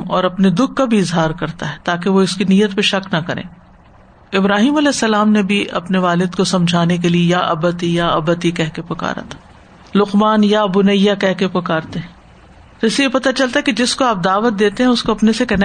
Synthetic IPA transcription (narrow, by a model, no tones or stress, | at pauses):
ɔːɾɐpned̪ʊk̚ʰːabʱiɪzɦaːɾkɐɾt̪aɦɛt̪aːk̬eʋoɪskinijːət̪peʃɐknɐkɐɾḛ̃ː | ɪbɾaːɦiːmɐlɛːsːɐlaːmnebʱiʔɐ̰pneʋaːlɪd̪kosɐ̃md͡ʒʱaːnek̬eliejaʔɐ̰bət̪ijaɐbət̪ikɛɦkepɐka̰ːɾa̰t̪ʰḁ | lʊqmaːnjaɐbunɐjːakɛɦkepɐkaːɾt̪eɦɛ̃ | t̪ɪsijepɐt̪at͡ʃɐlt̪aɦɛked͡ʒɪskoaːp̚d̪aːʋət̪̚d̪eːt̪eɦɛ̃ʊskoɐpnesekɐn